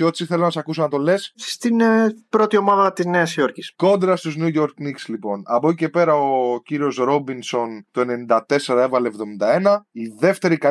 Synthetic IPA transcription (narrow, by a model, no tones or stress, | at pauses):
o̞t̪i̥siθe̞lonɐsɐkusonɐt̪o̞le̞sst̪inpɾo̞t̪io̞mɐðɐt̪izneɐsijo̞ɾcisko̞nd̪ɾɐst̪uznjuʝo̞ɾknikslipo̞nɐpocice̞pe̞ɾɐociɾio̞sɾo̞binso̞nt̪o̞e̞ne̞nind̪ɐt̪e̞se̞ɾɐe̞vɐlevðo̞mind̪ɐe̞nɐiðe̞ft̪e̞ɾikɐ